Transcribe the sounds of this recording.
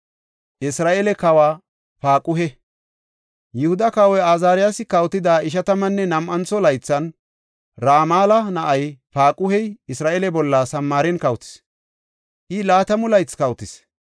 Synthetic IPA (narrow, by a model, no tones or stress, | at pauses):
ʔɪsɾaːʔelɛkɐwaː | paːkʼʊɦɛ | jʊhʊd̪ɐkɐwɔjaːzaːɾɪjasɪkɐwt̪ɪd̪aːɪʃ̬ɐt̪ɐmɐnːɛnɐmʔɐnt͡sːɔlɐjt͡sːɐn | ɾaːmaːlɐnɐʔɐjpaːkʼʊhɛjɪsɾaːʔeːlɛbɔlːɐsɐmːaːɾɛnkɐwt̪ɪ̥s | ʔɪlaːt̪ɐmʊlɐjt͡skɐwt̪ɪs